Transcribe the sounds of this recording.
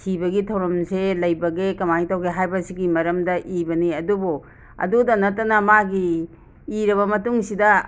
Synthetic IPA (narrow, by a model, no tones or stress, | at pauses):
sibɐɡitʰɐwɾɐmselɐjbɐɡekɐmaitawɡeɦajbɐsiɡimɐɾɐmdɐʔibɐniɐdubu | ɐ̰dudɐnɐtːɐnɐmaɡiː | ɾɐβɐmɐtuŋsidɐ